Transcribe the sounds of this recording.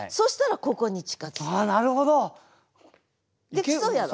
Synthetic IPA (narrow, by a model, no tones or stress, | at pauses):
so̞ɕi̥t̪aɾako̞ko̞ɲ̟it͡ɕi̥kat͡sanaɾɯ̟ɦod̪o | d̪esoja